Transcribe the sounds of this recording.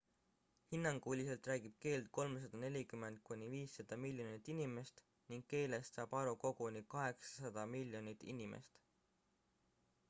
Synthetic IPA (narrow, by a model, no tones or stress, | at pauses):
hinːɑŋɡ̥uːlʲiselt̪ræːɡ̥ib̥̚ke̞ːlt̪̚ko̞lmesɑd̪̥ɑne̞lʲikyme̞nt̪̚kunʲiviːsːɑd̪̥ɑmilʲjo̞nit̪ːˑinime̞st̪ | niŋɡke̞ːle̞st̪sɑːb̥ɑɾuko̞ɡ̥unikɑɦe̞ksɑ̥sɑd̪̥ɑmilʲjo̞nit̪ːḭnʲimḛst̪